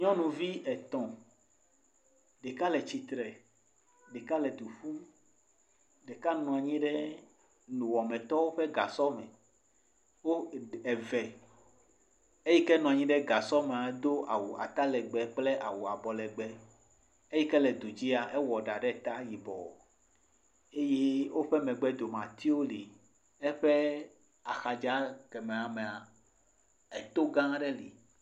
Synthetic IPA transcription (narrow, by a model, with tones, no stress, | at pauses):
ɲɔ̃˦nũ˨vi˦ʔɛ˨t̪ɔ̃˨ | ɖɛ˨ka˦lɛ˨t͡ɕi˨t̪ɾɛ˨ | ɖɛ˨ka˦lɛ˨d̪u˨ɸu˦ | ɖɛ˨ka˦nɔ̃˨a˨ɲĩ˦ɖɛ˦ | nũ˨wɔ˨mɛ̃˨t̪ɔ˦wo˦ɸe˦ɡa̰˨sɔ˦mɛ˨ | wo˦ɛ˨vɛ˨ | e˦ji˦kɛ˦nɔ̃˨a˨ɲĩ˦ɖɛ˦ɡa˨sɔ˦mẽ˨a˨d̪o˦ʔa˨wu˨a̰˨t̪a˦lɛ˨ɡ͡bɛ˨k͡ple˦ʔa˨wu˨a˨bɔ˨lɛ˨ɡ͡bɛ˦ | e˦jɛ˦kɛ˦lɛ˨d̪u˨d͡ʑi˦a˨ʔɛ˦wɔ˨ɖa˨ɖɛ˦˨t̪a˦ji˨bɔ̰˨ | e˦je˦wo˦ɸɛ˦mɛ̃˨ɡ͡bɛ˦d̪o˨mã˨t̪i˦o˦li˨ | ɛ˦ɸe˦ | a˨xa˨d͡ʒa˦kɛ˨mẽ˨a˨mẽ˨a˨ | ɛ˨t̪o˦ɡã˦ɖɛ˦lḭ˨